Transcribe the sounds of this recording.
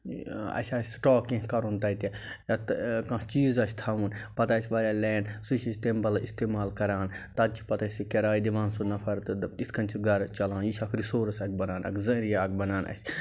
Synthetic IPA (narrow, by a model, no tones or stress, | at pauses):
ɐ̰ʃʲasʈoːkːĩɦkɐɾunt̪ɐit̪i | jɐt̪kɐ̃t͡ʃiːzɐsʲt̪ʰaʋunpɐt̪aːt͡ʃʰʲʋɐɾʲaːlɛːnsut͡ʃist̪embɐlist̪eːmaːlkɐɾaːnt̪ɐd̪̚t͡ʃʰi̥pɐt̪ɐsikɐɾaːid̪iʋãːnsunɐpʰɐɾt̪ɨit̪ʰkɐnʲt͡ʃʰiɡɐɾt͡ʃɐlaːnjiʃʰʲɐkʰɾisoːɾsɐk̚ʰbɐnaːnɐ̰kʰzɐɾijaɐk̚bɐnaːnɐ̰sʲ